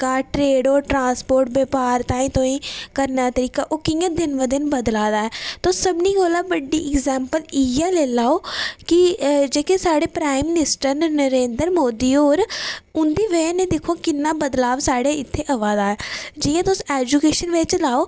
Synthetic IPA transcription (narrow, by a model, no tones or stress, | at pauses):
kaːʈɾeːɖoːɾʈɾãːspoːɾʈ̚beːpaːɾt̪ãːĩːt̪õːĩːkəɾnaːt̪əɾiːkaːʔoːkɪjãːd̪ɪnʋəd̪ɪnbəd̪laːd̪aːɛːt̪osəbniːɡoːlaːbəɖːḭːʔɪkzɛːmpəliaːleːlaːoːkɪd͡ʒeːkeːsaːɽeːpɾaːimɪnɪsʈəɾnəɾeːnd̪əɾmoːd̪iːoːɾʊnd̪iːʋɛːnẽːd̪eːkʰoːkɪnːãːbəd̪laːʋsaːɽeːɪt̪ʰːeːʔəʋaːd̪aːɛːd͡ʒɪjãːt̪ʊsɛːd͡ʒukeːʃənʋɪt͡ʃlaːoː